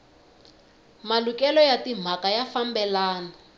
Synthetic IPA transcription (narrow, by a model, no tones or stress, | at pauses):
malukɛlɔjatim̤akajafambɛlaːna